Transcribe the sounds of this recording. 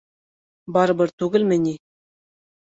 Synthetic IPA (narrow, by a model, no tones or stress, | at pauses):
bɑɾɤbɤɾt̪ʉɡɘ̆lmɘ̆nʲi